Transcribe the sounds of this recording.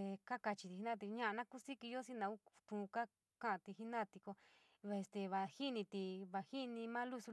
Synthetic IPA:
e˧ka˦ka˧t͡ʃi˧t̪i˧hi˧nã˦˧t̪̬i˧ɲã˦ʔa˧nã˦ku˦si˦ki˧jo˦si˦nã˧u˦˧t̪ũ˧˨˧ka˦ | kã˦ʔã˧t̪i˧hi˦nã˦˧t̪i˧ko˧ | βa˧e˧st̪e˧βa˧hi˦nĩ˧t̪i˧βa˧hi˦nĩ˧mãː˦lu˦su˧

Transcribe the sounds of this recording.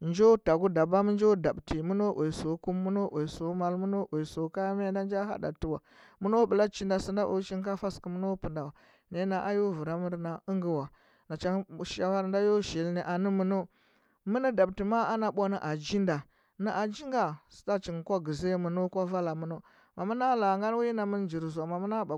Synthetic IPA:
nd͡ʒo˦ta˨ɡu˦da˨ba˦mə˦nd͡ʒo˦da˨bti˨mu˦no˦ʔo˨i˨so˨˦ku˦mːu˦no˦ʔo˨so˨˦ma˦lmu˦no˦ʔo˨so˨˦ka˦m˦e˦da˦n˦d͡ʒa˦ha̰˦da̰˨ti˦wa˨ | mu˦no˦bə˨la˦t͡ʃi˦nda˨si˦nda˦ʔo̰˨˦t͡ʃi˦ŋka˦fa˦ski˨mu˦no˦pə˨nda˨wa˨ | ne˦na˨ʔa˦jo˦vu˨ɾa˦mə˦ɾna˨ə˦ŋɡi˦wa˨ | na˨t͡ʃa˦ʃa˦wa˦ɾnda˦jo˦ʃi˨lne˨ʔa˨nə˦mə˨no˦ | mə˦ni˦da˨b̚ti˨ma˦a˦na˨ɓʷo˦nə˨ʔa˨d͡ʒi˦nda˨ | nə˦ʔa˨d͡ʒi˦ŋɡa˨si̥˨ta˦t͡ʃi˨ŋ˨kʷa˦ɡə˨ze˦mə˨no˦kʷa˦va˦la˨mu˦no˦ | ma˨mə˦na˦la˨ŋɡa˦n˦wi˦jna˨mə˦nd͡ʒi˨ɾza˨ma˨mə˦na˦ba˨

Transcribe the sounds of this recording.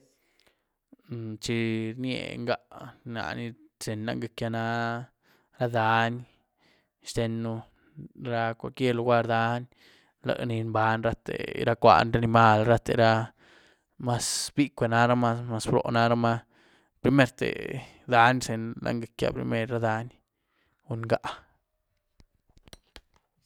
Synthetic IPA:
t͡ʃi˧ɾnjḛ˧˨ŋɡa˧˦na̰˨ni˦se˨nla̰˦ŋɡe˧kja˧na˦ | ɾa˦d̪a˧n | ʃt̪e˧nːu˧ | ɾa˧kʷa˨kje˦˧lu˧ɡa˦˧ɾd̪a˧˦nʲ | la̰˨kni˧mba˨˦nɾa˦t̪ḛ˨ɾa˦kʷa̰˧˨nɾa˦ni˧ma˦lɾa˦t̪ḛ˧ɾa˧ | ma˧sbi˦kʷe˨˧na˦ɾa˦ma˦ma˧sbɾo̰˨na˦ɾa˦ma˧ | pɾi˧˦me˦ɾt̪ḛ˨ | d̪a˦nse˨nlʔa̰˦ŋɡe˧kja̰˧pɾḭ˧me˦ɾːa˦d̪a˧˦n | u˧nɡa˨ʔ

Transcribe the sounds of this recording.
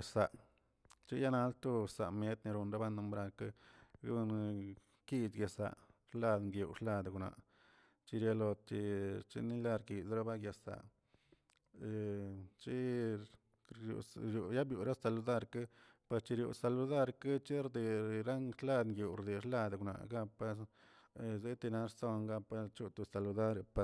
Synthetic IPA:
a˨sa˨ | t͡ʃi˦ja˦na˧˦lt̪u˦sa̰˨me˦t̪ni˧ɾu˧nɾa˦ba˦nu˧mbɾa˧ka˦ɡn˧ | ki˧d̪ɡja˨sa̰˨ʂla˧d̪ŋɡju˨ʂla˧d̪a˨ɡna̰˨ | t͡ʃi˧ɾja˧lo˧t̪t͡ʃi˧t͡ʃḭ˧ni˦la˦˧ɾki˨sɾa˦ba˦ɡja˨sa̰˨ | t͡ʃi˦ | jṵ˨ɾju˧ja˦bju˨ɾa˦sa˧lu˧d̪a˦˧ɾka˦ | pa˧st͡ʃi˧ɾjṵ˨sa˧lu˧d̪a˦˧ɾka˦t͡ʃi˦ɾd̪i˨ɾa˦ŋʂla˦d̪ŋɡju˨ɾd̪i˨ʂla˦˧d̪a˨ɡna̰˨ɡa˦pa˦s | ze˦t̪i˧na˧˦ɾso˦˧ŋɡa˧pa˧t͡ʃu˦˧t̪u˧sa˨lu˧d̪a˦ɾpa˧

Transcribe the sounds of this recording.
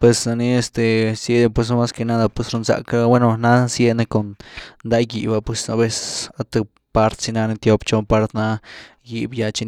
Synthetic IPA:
pwe˧sna˧ni˦e˧st̪e˨sje˦d̪e˧pwe˧s̬n˧˦ma˦ske˧na˦d̪a˧pwe˧sɾo˧nza̰˧ka˦bwe˦no˧na˦sje˦ne˧ko˨nnd̪a˦ɡi˨ba˧pwe˧sa˧be˧sa˧t̪a˧ | pa˦ɾt̪si˧na˧ne˧t̪jo˦pt͡ʃo˧pa˧ɾt̪na˧ | ji˦˧bja˧t͡ʃi˧

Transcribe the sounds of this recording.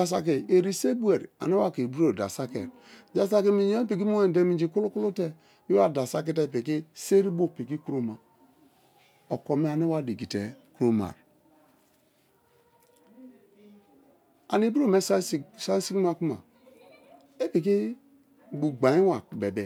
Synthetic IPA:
a˨s̬a˨k̬i˨e˨ɾi˦se˦bu˦e˨ɾa̰˨ne˦wa˦˨ke˨bu˦ɾo˦˨da̰˨sa˦kḛ˨ɾ | d͡ʒa˨s̬a˦ki˦mi˨jo˦pi˨k̬i˦mo˦e˦˨de˦mi˨d͡ʒi˦ku˦lo˦ku˦lu˦te˦ | i˦wa˦da˨sa˦k̬i˦te˦˨pi˨ki˦se˦ɾi˦bo˦pi˨ki˦ku˦ɾo˦ma˨ | o˨ko˨me˦a˨ne˦wa˦di˨ɡi˨te˨ku˦ɾo˦ma̰˨ɾ | a˨ni˨˦bu˦ɾo˦˨me˦ssa˦si˦ki˦m˦a˦ku˦ma̰˨ | e˦pi˨k̬i˦ | bu˨ɡ͡ba˨ji˦wa˨be˨bɛ˨

